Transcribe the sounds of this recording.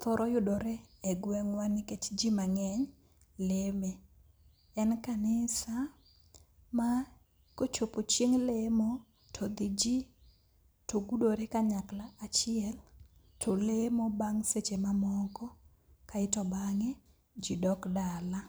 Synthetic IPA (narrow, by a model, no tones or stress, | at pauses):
t̪ɔɾʔɔjʊdoɾɛɛɡwɛŋwaniket͡ʃd͡ʒimaŋɛɲ | leme | ɛnkanɪsa | ma | kot͡ʃopot͡ʃjeŋlemo | tʰod̪id͡ʒi | toɡudoɾekaɲaklaat͡ʃɪɛl | tʰolemobaŋset͡ʃemamɔkɔ | kaɪtɔbaŋe | d͡ʒidɔkdala